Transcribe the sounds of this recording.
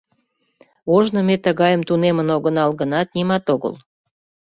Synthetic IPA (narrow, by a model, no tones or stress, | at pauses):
oʒnə̆met̪əɣɑjəmt̪unemənoɣənɑlɣənɑt̪̚nimɑt̪oɣə̰l